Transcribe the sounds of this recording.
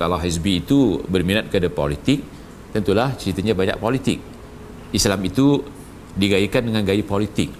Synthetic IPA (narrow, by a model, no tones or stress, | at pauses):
kalawɦisbiːt̪ubərminat̪̚kəadapo̰lit̪ɪk̚ | t̪ənt̪ulaht͡ʃəɾit̪aɲabaɲa̰ʔ̚polit̪ɪ̰k̚ | islamit̪u | diɡajikandəŋanɡaipolit̪ɪk̚